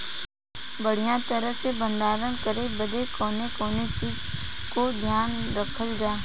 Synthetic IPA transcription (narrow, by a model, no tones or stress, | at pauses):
bəɽ̤ijãt̪əɾəɦsebə̃nd̪aːɾəɳ̃kəɾebəd̪ekoːnekoːnet͡ʃiːd͡ʒ | kod̪ʱjaːnɾəkʰəld͡ʒaː